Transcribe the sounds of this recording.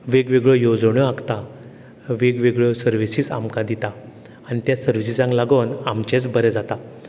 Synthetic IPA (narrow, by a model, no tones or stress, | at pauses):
ʋeɡʋeɡɭɔjod͡zɳjɔakt̪a | ʋeɡʋeɡɭɔsəɾʋisiːsa̰mkad̪it̪a | anit̪jasəɾʋisisãŋklaɡonamt͡ɕẽt͡sbəɾɛd͡zat̪a